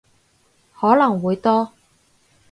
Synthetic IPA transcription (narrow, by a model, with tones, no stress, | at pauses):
hɔː˨˥lɐ˨˩ŋwuː˨˧jt̪ɔː˥